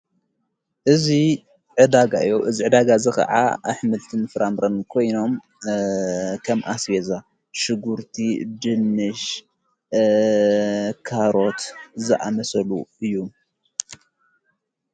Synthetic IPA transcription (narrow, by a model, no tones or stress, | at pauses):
ʔɨzi | ʕɨd̪aɡa̰ʔɨjːoʔɨziʕɨd̪aɡazɨxɐ̰ʕa̰ʔa̰ħmɨlt̪ʰɨnfɨɾamɾɐnkʰo̞jno̞m | kʰɐmʔasjeza | ʃɨɡuɾt̪ʰid̪ɨnːɨʃ | kʰaɾo̞t̪zɨʔa̰mɐsɐluɨjːu